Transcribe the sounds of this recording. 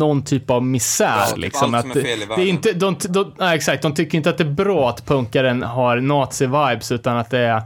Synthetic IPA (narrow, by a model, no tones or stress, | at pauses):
nɔnt̪ʰyːpavmɪsæ̰ːɾlʔɪ̰ksɔmat̪d̪ɛɾɪnt̪əd̪ɔmd̪ɔaɛksak̚t̪̚d̪ɔmt̪ʰʏkːəɾɪnt̪əat̪̚d̪ɛæɾbɾɑːat̪pʰɵŋkaɾənɦaɾnɑːt̪sɪvajbsʉ̟ːt̪anat̪̚d̪ɛæɾ